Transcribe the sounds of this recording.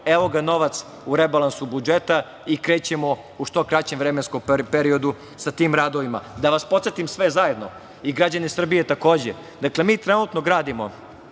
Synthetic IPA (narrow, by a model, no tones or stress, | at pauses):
eʋo̞ɡano̞ʋat̪s | uɾebalˠansubud͡ʒet̪a | ikɾe̞ːt͡ɕemo̞ | uʃt̪o̞kɾat͡ɕemʋvɾemenskompeɾio̞d̪u | sat̪iːmɾaːd̪o̞ʋima̰d̪aʋaspo̞t̪set̪imsʋezajed̪no̞̰ | iɡɾad͡ʑanisr̩bijet̪ako̞ːd͡ʑe | d̪akle̞miːt̪ɾenut̪no̞ɡɾaːd̪imo̞